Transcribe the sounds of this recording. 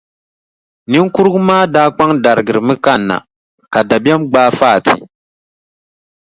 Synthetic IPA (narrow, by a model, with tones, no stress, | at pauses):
nɨ˦ŋku˦ɾɨ˦ɡu˦maː˦daː˦k͡pa˦ŋda˨ɾɨ˨ɡɨ˨ɾɨ˨mɨ˦ka˦nːa̰˨ | ka˨da˨ba˦mɡ͡baː˦faː˦˨tḭ˨